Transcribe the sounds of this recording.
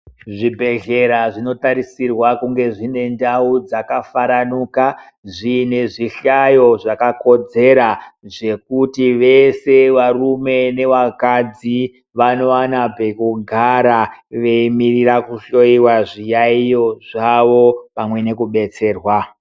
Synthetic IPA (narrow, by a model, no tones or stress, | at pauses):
ʐibʱe̞ɮe̞ɾaʐino̞taɾisirwakuŋɡe̞ʐine̞ndaud͡zakafaɾanuːka | ʐine̞ʐiɬajo̞ʐakako̞d͡ze̞ɾaʐe̞kutiʋe̞se̞ʋarume̞ne̞ʋakad͡zi | ʋano̞anabʱekuɡʱaɾaʋe̞imirirakuʃo̞iwaʐijaijo̞ʐaʋo̞pamwe̞ne̞kuɓe̞t͡se̞ːrwa